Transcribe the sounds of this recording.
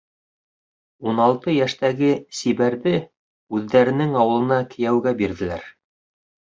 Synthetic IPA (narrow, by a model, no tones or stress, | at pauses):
unɑlˠt̪ɤjæʃt̪æɡɘsiβæɾðɘ | ʉðːæɾɘ̆nɘŋɑwɤ̆lˠɤ̆nɑkɘ̆jæwɡæbiɾðɘ̆læ̰ɾ